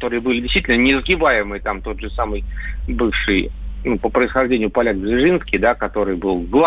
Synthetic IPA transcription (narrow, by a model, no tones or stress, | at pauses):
t̪o̞ɾɨjəbɨlʲɪdʲɪsʲt̪vitʲlnənʲɪɪzɡʲɪbajɪmɨjt̪amt̪o̞t̪ʐɨsamɨjbɨfʂɨj | nupəpɾəɪsxɐʐdʲenʲɪjʊpɐlʲaɡzvʲɪʐɨnskʲɪjd̪akɐt̪o̞ɾɨjbɨlˠɡlˠ